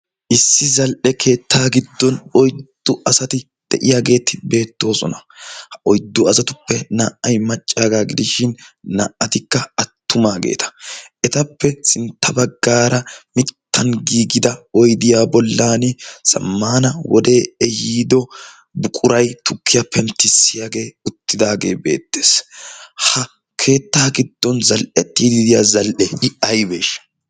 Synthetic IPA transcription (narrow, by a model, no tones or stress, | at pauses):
ʔɪsːɪzɐlʔɛkʰe̞ːt̪ːaːɡɪd̪ːɔnɔjd̪̥ːʊʔɐsɐt̪ɪ | d̪̥ɛʔɪjaːɡe̞ːt̪ːɪbe̞ːt̪ːo̞ːsɔ̰nɐhʔɔjd̪ːʊɐsɐt̪ʊpːɛnaːʔɐjmɐt͡ʃʼːaːɡaːɡɪd̪ɪʃɪnna̰ːʔɐt̪ɪkːɐɐt̪ːʊmaːɡḛːt̪ʰɐ̥ʔɛt̪ɐpːɛsɪnt̪ʰːɐbɐɡːaːɾɐmɪt̪ːɐnɡiːɡɪd̪ɐɔjd̪ɪjaːbɔlːaːnɪsɐ̰mːaːnɐwɔd̪e̞ːɛjiːd̪ɔ | bʊkʼʊɾɐjt̪ʊkʰːɪjapʰɛnt̪ːɪsːɪjaːɡe̞ːʊt̪ːɪd̪aːɡe̞̰ːbe̞̰ːt̪ːe̥ːshɐ | kʰe̞ːt̪ːaːɡɪd̪̥ːɔnzɐlʔɛt̪ːiːd̪ɪd̪ɪjaːzɐlʔɛɪɐjbe̞̰ːʃːɐ̥